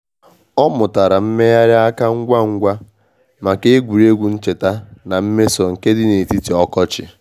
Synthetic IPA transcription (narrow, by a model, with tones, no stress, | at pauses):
ɔ˦mʊ˨ta˨ɾa˨m̩˦me˦ja˦ɾɪ˦a˦ka˦ŋ̩˦ɡʷa˦ŋ̩˦ɡʷa˦ | ma˨ke˦ɡʷu˨ɾe˦ɡʷu˨n̩˦t͡ʃe˨ta˦na˨m̩˦me˦sɔ˨ŋ̩˨ke˦dɪ˦ne˨ti˦ti˨ɔ˦kɔ˦t͡ʃɪ̰˨